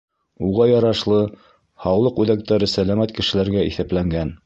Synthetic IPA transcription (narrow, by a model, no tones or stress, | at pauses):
uʁɑjɑɾɑʃlˠɤ | hɑwlˠɤqʉðæk̚t̪æɾɘsælæmæt̪kɘ̆ʃɘ̆læɾɡæiθæplæŋɡæn